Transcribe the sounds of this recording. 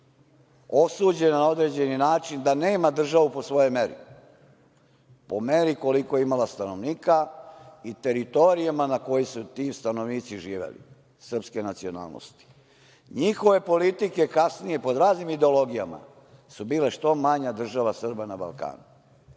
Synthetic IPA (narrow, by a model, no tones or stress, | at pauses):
o̞suːd͡ʑe̞nenao̞d̪ɾe̞ːd͡ʑe̞ninaːt͡ʃind̪aneːmad̪r̩ʒaʋupo̞sʋo̞jo̞jme̞ɾḭ | po̞me̞ɾiko̞likojeimalast̪ano̞ʋniːkait̪e̞ɾit̪o̞ɾijamanako̞jisut̪iːst̪ano̞ʋniːt̪siʒiːʋḛlḭ | sr̩pske̞nat̪sio̞na̰ːlˠno̰st̪i̥ | ɲixo̞ʋe̞po̞lit̪ike̞kasnije̞po̞d̪ɾaːznimid̪eo̞lo̞ɡija̰ma̰ | subiːleʃt̪o̞maɲad̪r̩ʒaʋasr̩banaba̰lˠka̰ːnu